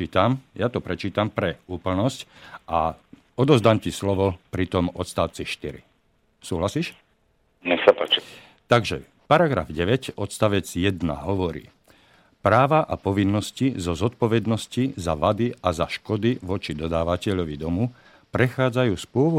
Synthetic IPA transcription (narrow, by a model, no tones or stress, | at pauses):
iːt̪amjat̪ɔpɾɛt͡ʃiːt̪ampɾɛuːpl̩nɔscʔa | ɔd̪ɔzd̪amcislɔʋɔpɾit̪ɔmɔt̪st̪aʊt͡siʃt̪iɾḭ | suːɦlasiːʃ | ɲɛxsapaːt͡ʃi | t̪aɡʒɛ̰ | paɾaɡɾa̰vɟɛʋɛcɔt̪st̪aʋɛd͡zjɛd̪na̰ɦɔʋɔɾḭː | pɾaːʋaʔapɔʋinːɔscizɔzɔt̪̚pɔʋɛd̪nɔscizaʋad̪iʔazaʃkɔd̪iʋɔt͡ʃid̪ɔd̪aːʋacɛʎɔʋid̪ɔmu | pɾɛxaːd͡zajuːspʊɔʋɔ